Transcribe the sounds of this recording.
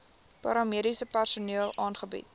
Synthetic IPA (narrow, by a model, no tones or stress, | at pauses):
pɐɾɑmiəɾisəpærsuniəlˠʔɑːnχəbḭt̚